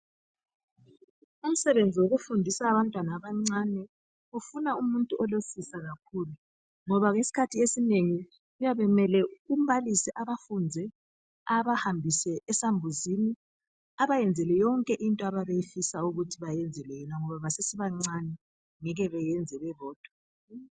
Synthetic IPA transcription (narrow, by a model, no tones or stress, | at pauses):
um̩sɛβend͡zʱiwoɣufundʱisaːβantʼwanaːβaŋ͡ǀanɛ | ufunaumuntʼuɔlosisaɣak̚ʰuːlu | ŋɔβaŋesi̥kʰatʰiesineŋi | ujaβɛmɛlɛum̩βalisɛʔaβafund͡zʱɛ | aβahambʱisɛːsambʱuzini | aβajɛnd͡zʱɛlɛjɔŋkʼɛʔintʼɔaβaβejifisauɣutʰiβajɛnd͡zʱɛlɛjɛnaŋɔβaβasesiβaŋ͡ǀanɛ | ŋɛɣɛβɛjɛnd͡zʱɛβɛβɔːd̥ʱwɔ